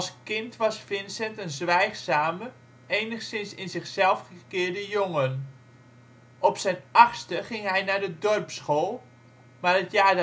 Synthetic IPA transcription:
ɑlˠskɪntʋɑsfɪnsɛntənzʋɛjχsaːmə | ejnəχsɪnsɪnzɪχsɛlˠfχəkɪːɹdəjoŋən | ʔɔpsɛjnɑχstəχɪŋɦɛjnaːdədɔrpsχoːlˠ | maːrətjaːd

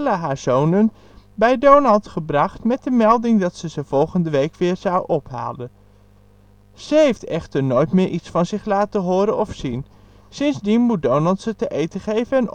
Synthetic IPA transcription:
laɦaːɹzownən | bɛjdownɑlˠtχəbrɑχtmɛt̚dəmɛlˠdɪŋdɑtsəzəv̥ɔlˠχəndəʋejkʋɪːɹz̥ɑwʔɔpɦa̰ːlən | z̥əɦejftɛχtəɹnojtmɪːɹʔitsfɑnzɪχlaːtəɦʊːɾənɔfsin | sɪnzdinmut̚downɑlˠtsətəʔejtəχejvənɛn

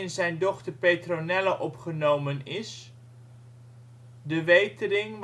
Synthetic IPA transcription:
ɪnzɛjndɔχtərpejtronɛlaʔɔpχənowmənɪs | dəʋejtərɪŋʋ

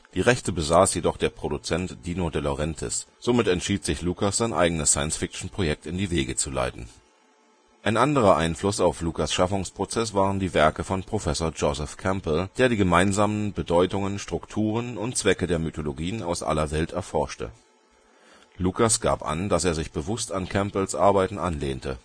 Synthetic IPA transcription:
d̥iːʁɛçtəbəzaːsjedɔχd̥eːɐpʁ̥odut͡sɛntd̥iːnodeəloʁɛntʰɪ̰sz̥omɪtɛntʃiːtz̥ɪçluːkasz̥aɪnʔa̰ɪɡənəsːaɪənsfɪk̚t͡ʃn̩pʁ̥ojɛk̚tɪndiːveːɡət͡sula̰ɪtn̩ | ʔaɪnʔandəʁɐʔaɪnflʊsaʊflukasʃafʊŋspʁ̥ot͡sɛs̬v̥aːʁəndiːvɛɐkəfɔnpʁ̥ofɛsoːɐd͡ʒozɛfkʰɛmpl̩d̥eːɐdiːɡəmaɪnzaːmənbədɔʏtʊŋənʃtʁ̥ʊktʰuːʁ̞ənʊntt͡sv̥ɛkədeːɐmytʰoloɡiːəna̰ʊsʔa̰lɐvɛltʰɛɐfɔɐʃtə̰ | luːkasɡ̥a̰ːpʔa̰ndaseːɐzɪçb̥əvʊstankʰɛmpl̩sʔa̰ɐbaɪtn̩ʔanlḛːntʰə

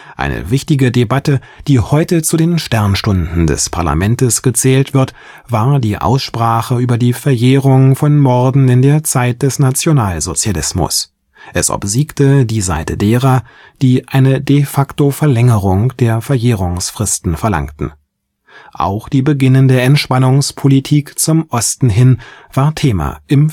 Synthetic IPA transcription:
ʔa̰ɪnə̰vɪçtɪɡədebatə | d̥iːhɔʏtət͡sudeːnʃtɛɐnʃtʊndn̩dɛ̰spʰa̰ɐla̰mɛntəsɡ̥ət͡sɛːltv̥ɪɐt | v̥aːɐdiːʔa̰ʊsʃpʁ̥aːχəʔyːbɐdiːfɛɐʔeːʁʊŋfɔnmɔɐdn̩ɪndeːɐt͡saɪt̚d̥ɛsnat͡sjonaːlzot͡sjalɪsmʊ̰s | ʔɛsʔɔ̰pz̥iːktədiːza̰ɪtədeːʁɐ | d̥iːʔaɪnədefaktofɛɐlɛŋəʁʊŋd̥eːɐfɛɐʔeːʁ̞ʊŋsfʁ̥ɪstn̩fɛɐla̰ŋtn̩ | ʔa̰ʊxd̥iːbəɡɪnəndeːɐɛntʃpanʊŋspʰolitʰiːkt͡sʊmʔɔstn̩ɦɪnv̥aːɐtʰeːma̰ʔɪm

